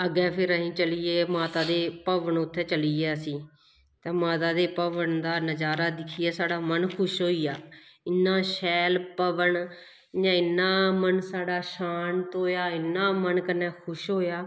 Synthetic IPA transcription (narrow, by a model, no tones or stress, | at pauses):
əɡɛːpʰɪɾəɦĩːt͡ʃəliːeːmaːt̪aːd̪eːpəʋəɳʊt̪ʰːɛːt͡ʃəliːaːsiː | t̪eːmaːt̪aːd̪eːpəʋəɳd̪aːnəd͡ʒaːɾaːd̪ɪkʰiːjaːsaːɽaːmənkʰʊʃɦoːiːjaːɪnːaːʃɛːlpəʋəɳ | jãːɪnːaːmənsaːɽaːʃaːnt̪oːjaːɪnːaːmənkənːɛːkʰʊʃɦoːjaː